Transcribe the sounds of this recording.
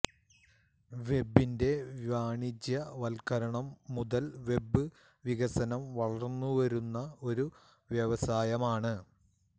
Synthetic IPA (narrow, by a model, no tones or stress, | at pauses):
ʋe̞bːinde̞ʋʋaːɳid͡ʑjɐʋɐlkɐɾɐɳɐmːuðɐlʋe̞bɨ | ʋiɣɐsɐnɐmʋɐɭɐrnːuʋɐɾunːɐo̞ɾu | ʋjɐʋɐsaːjɐmaːɳɨ